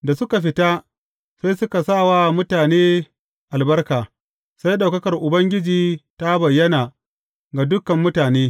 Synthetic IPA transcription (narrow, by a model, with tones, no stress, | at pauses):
da˨sʊ˦ka˨ɸ̬ɪ˦ta˦ | sa˦jsʊ˦ka˨sa˦˨wa˦mʊ˦taː˨neː˦ | ʔa˨lbɐ˦rkaː˨ | sa˦jɗa˨wkɐ˦kɐ˨rʔʊ˨bɐ˦ŋɡʲɪ˦d͡ʒiː˨ta˦bɐ˨jːɐ˦naː˨ | ɡa˨dʊ˦kɐ˨mːʊ˦taː˨neː˦